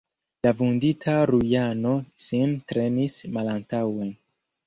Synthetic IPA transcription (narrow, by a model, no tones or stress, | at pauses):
lavunditʰaɾujano̞sintɾe̞nismalantawen